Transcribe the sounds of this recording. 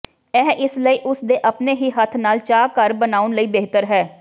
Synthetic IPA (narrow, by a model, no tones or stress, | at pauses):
ɛːʔɪsləiːʔʊsd̪eːʔəpneːɦiːɦət̪ʰnaːlt͡ʃaːkəɾbənaːʊnləiːbeːɦt̪əɾɦɛː